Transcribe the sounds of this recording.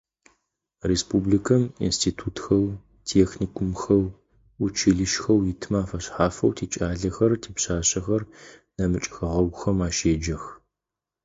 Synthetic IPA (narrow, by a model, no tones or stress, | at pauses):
respʰublikʰɐmḭnstʰiːtʰuːtxɐw | tʰeːxniːkʷʰumxɐw | ʊt͡ʃʰiɮɨʃxɐwjɪtʰmaːfɐɕħaːfɐ̰wtʰeːt͡ʃʼaːɮɐxɐrtʰeːpɕaːɕɐxɐrnɐmɨt͡ʃʼxɐʁɐɡʷʊxɐmaːʃeːd͡ʒɐx